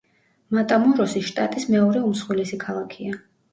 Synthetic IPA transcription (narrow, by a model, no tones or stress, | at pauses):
mat̪ʼamɔɾɔsiʃt̪ʼat̪ʼismɛɔɾɛumsχwɛlɛsikʰalˠakʰia